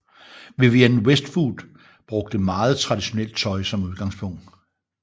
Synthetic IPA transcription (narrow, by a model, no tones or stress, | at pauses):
ʋe̝ʋienwesd̥fuːd̥ | b̥ʁɔ̽ɡ̥̚d̥əmɑ̈ːð̞̩ˠt͡sʰʁɑ̈d̥iɕo̝nel̰d̥̚t͡sʰɒ̽ɪsɒ̽muð̞ˠɡ̥ɑ̈ŋspʰɔ̽ŋ̰d̥